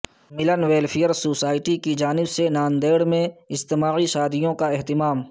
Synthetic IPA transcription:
mɪlənweːlfʰijəɾsoːsaːɪʈikid͡ʒaːnɪbsenaːnd̪eːɽmẽɪst̪ɪmaːiʃaːd̪ɪjõkaɛɦt̪ɪmaːm

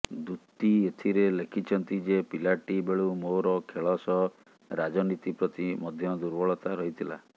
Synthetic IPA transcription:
d̪ut̪ːiet̪ʰiɾelekʰit͡ʃʰɔnt̪id͡ʒepilaʈibeɭumoɾɔkʰeɭɔsɔ | ɾad͡ʒɔnit̪ipɾɔt̪imɔd̪ʱjɔd̪uɾbɔɭɔt̪aɾɔɦit̪ʰila̰

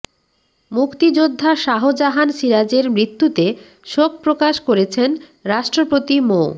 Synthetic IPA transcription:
mukt̪id͡ʑod̪ʱːaʃaɦod͡ʑaɦanʃiɾad͡ʑeɾmɾit̪ːut̪e | ʃok̚pɾokaʃkoɾet͡ɕʰen | ɾaʃʈɾopot̪imo

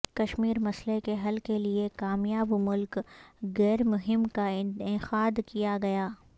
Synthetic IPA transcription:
kɐʃmiːɾmɐslekeɦɐlkeliekaːmjaːbmʊlkɣɛːɾmʊɦɪmkaɪxaːd̪kijaɡɐjaː

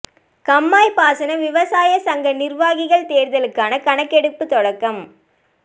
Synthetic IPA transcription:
kɐmːaːjpaːsɐnɐʋɪʋɐsaːjɐsɐŋɡɐnɪrʋaːɣɪɣɐɭt̪eːɾðɐlɯkːaːnɐkɐɳɐkːɛɽɯpːɯt̪ɔɽɐkːɐm

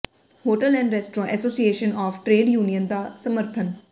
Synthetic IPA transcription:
hoːʈəlɛ̃ːɳɖɾɛsʈɾɔ̃ːʔɛsoːsieːʃənɔːfʈɾeːɖjuːnijənd̪aːsəməɾt̪ʰən

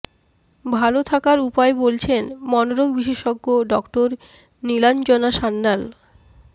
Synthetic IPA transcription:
bʱalot̪ʰakaɾupaebolt͡ɕʰenmɔnoɾoɡbiʃeʃɔɡːoɖɔkʈoɾ | niland͡ʑɔnaʃanːal

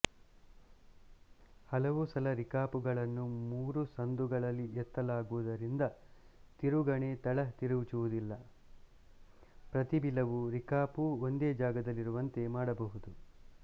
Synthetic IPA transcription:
hɐlɐʋusɐlɐɾikaːpuɡɐɭɐnːumuːɾusɐnd̪uɡɐɭɐlːiɛt̪ːɐlaːɡuʋud̪ɐɾind̪ɐ | t̪iɾuɡɐɳe̞t̪ɐɭɐt̪iɾuʋit͡ʃuʋud̪ilːɐ | pɾɐt̪ibilɐʋuɾikaːpuond̪e̞ːd͡ʒaːɡɐd̪ɐlːiɾuʋɐnt̪e̞maːɽɐbɐɦud̪u

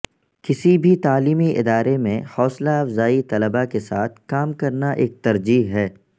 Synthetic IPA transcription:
kɪsibʱit̪aːliːmiʔɪ̰d̪aːɾemẽhɔːslaɐfzaːit̪ɐləbakesaːt̪ʰkaːmkɐɾnaʔeːk̚t̪ɐɾd͡ʒiːɦɦɛː

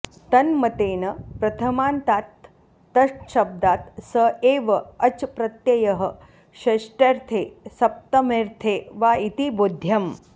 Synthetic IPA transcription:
t̪ɐnmɐt̪eːnɐpɾɐt̪ʰɐmaːnt̪aːt̪ː | ɐʂʈʃɐb̚d̪aːt̪sɐeːʋɐɐt͡ʃpɾɐt̪jɐjɐɦɐ | ʃɐʂʈeɾt̪ʰeːsɐp̚t̪ɐmeɾt̪ʰeːʋaːit̪ibud̪ʱjɐm

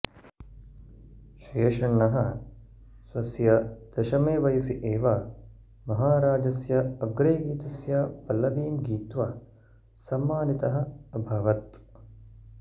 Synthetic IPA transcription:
ʃeːʃɐnːɐɦɐ | sʋɐsjɐd̪̥ɐʃɐmeːʋɐjɐsiʔeːʋaː | mɐɦaːɾaːd͡ʒɐsjɐɐɡɾeːɡiːt̪ɐsjapɐlɐʋiːmɡiːt̪ʋɐ | sɐmːaːnit̪ɐɦɐ̆ɐbʱɐʋɐt̪̚

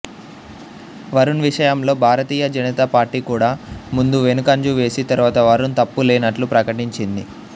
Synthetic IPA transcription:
ʋɐɾunʋiʂɐjɐmlo̞ːbʱaːɾɐt̪iːjɐd͡ʒɐnɐt̪apaːɾʈiːkuːɽaːmund̪uʋe̞nukɐɲd͡ʒuʋe̞ːsit̪ɐɾuʋaːt̪ɐʋɐɾunt̪ɐpːuleːnɐʈlupɾɐkɐʈiɲt͡ʃind̪i

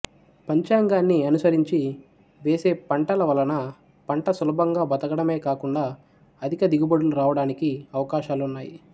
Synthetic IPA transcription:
pɐɲt͡ʃaːŋɡaːnːiɐnusɐɾiɲt͡ʃi | ʋeːse̞ːpɐɳʈɐlɐʋɐlɐnɐ | pɐɳʈɐsulɐbɐŋɡaːbɐt̪ɐɡɐɽɐme̞ːkaːkuɳɖaː | ɐd̪ʱikɐd̪iɡubɐɽunɾaːʋɐɽaːnikiɐʋɐkaːʃaːlunːaːjḭ

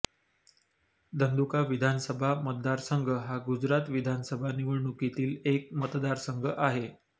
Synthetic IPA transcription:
d̪ʱənd̪ukaʋid̪ʱansəbʱamət̪̚d̪aɾsəŋɡʱəɦaɡud͡ʑɾat̪ʋid̪ʱansəbʱaniʋəɭɳukit̪iːlek̚mət̪d̪aɾsəŋɡʱəʔaɦe

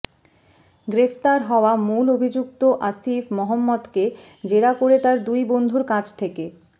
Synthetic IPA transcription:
ɡɾefʰt̪aɾɦɔoamulobʱid͡ʑuk̚t̪oʔasifmɔɦɔmːɔd̪ke | d͡ʑeɾakoɾet̪aɾd̪ujbond̪ʱuɾkad͡ʑt̪ʰeke

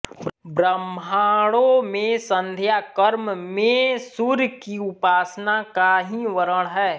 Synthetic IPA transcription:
bɾəmaːɽõmẽsə̃nd̪ʱjaːkəɾmmẽsʊɾjkiʊpaːsnakaɦiʋəɾəɽ̃ɦɛː

